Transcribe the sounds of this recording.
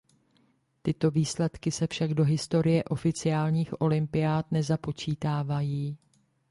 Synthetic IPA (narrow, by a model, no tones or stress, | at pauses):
t̪ɪt̪o̞viːslɛt̪kɪsɛfʃaɡdo̞ɦɪst̪o̞ɾɪjɛʔo̞fɪt͡sɪaːlɲiːxʔo̞lɪmpɪjaːt̪nɛzapo̞t͡ʃiːt̪aːvajiː